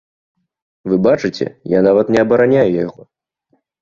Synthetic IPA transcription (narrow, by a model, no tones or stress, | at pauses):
vɨbat͡ʂɨt͡sʲɛ̰janavɐt̪nʲɛɐbɐɾanʲajujaɣɔ